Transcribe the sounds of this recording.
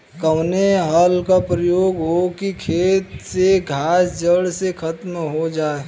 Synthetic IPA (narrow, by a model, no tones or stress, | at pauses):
kɐwneɦəlkapɾəjoːɡɦokikʰeːt̪seɡʱaːsd͡ʒəɽsekʰɐt̪mɦod͡ʒaːe